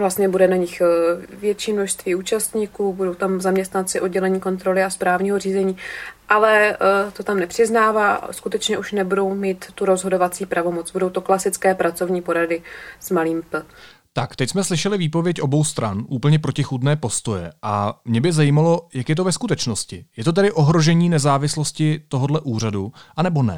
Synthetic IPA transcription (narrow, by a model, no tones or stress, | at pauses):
vlast̪ɲɛbudɛnaɲɪxvjɛt͡ʃiːmno̞ʃst̪viːuːt͡ʃast̪ɲikuːbudo̞wt̪amzamɲɛst̪nant͡sɪʔod̚ɟɛlɛɲiːko̞nt̪ɾo̞lɪaspɾaːvɲiːɦo̞r̝iːzɛɲiːʔalɛt̪o̞t̪amnɛpr̝̥ɪznaːvaːskut̪ɛt͡ʃɲɛʔuʃnɛbudo̞wmiːt̪ːuɾo̞zɦo̞do̞vat͡siːpɾavo̞mo̞t͡sbudowt̪o̞klasɪt͡skɛːpɾat͡so̞vɲiːpo̞ɾadɪsmaliːmpl̩t̪akt̪ɛcsmɛslɪʃɛlɪviːpo̞vjɛcʔo̞bo̞wst̪ɾa̰nʔuːpl̩ɲɛpɾo̞cɪxud̪nɛːpo̞st̪o̞jɛ̰ʔamɲɛbɪzajiːmalo̞jakjɛt̪o̞vɛskut̪ɛt͡ʃnoscɪjɛt̪o̞t̪̬ɛdɪʔo̞ɦɾo̞ʒɛɲiːnɛzaːvɪslo̞scɪt̪o̞ɦodlɛʔuːr̝aduʔanɛbo̞nɛ̰